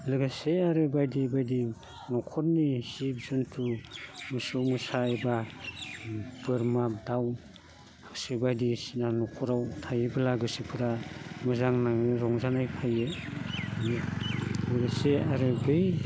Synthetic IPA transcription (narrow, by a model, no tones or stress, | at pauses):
lɯɡaseaɾɯbajdibajdi | nɔkʰɔt̚nisibzuntʰumɯsumɯsaːjba | pɯɾmadaw | sibajdisinanɔkʰɔɾawtʰajebɯlaɡɯsipʰɯɾamɯzaŋnaŋɾɔŋzanajpʰaje | lɯɡaseaɾɯbɯj